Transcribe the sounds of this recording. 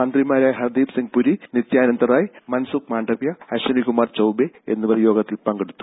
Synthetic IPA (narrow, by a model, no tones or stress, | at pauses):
ɐnd̪rimaːɾaːjɦɐrd̪iːbsiŋɡpuɾinit̪jaːnɐnd̪ɐraːjmɐnsuk̚maːɳɖɐpjɐɐɕɐnikumaːrt͡ɕɐwbeḛnːɨpɐrijoːɡɐt̪ːilpɐŋɡeɽut̪ːu̥